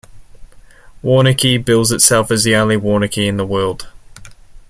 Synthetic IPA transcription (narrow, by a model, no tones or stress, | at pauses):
wɔːnɪkʰibɪlˠzɪtsɛlˠfəziə̃ʊ̃nlɪwɔːnɪkʰiɪ̃nðəwɜːlˠd̥